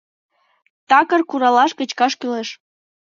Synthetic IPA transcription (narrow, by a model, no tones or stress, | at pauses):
t̪ɑkərkuɾɑlɑʃkə̆t͡ɕkɑʃkyleʃ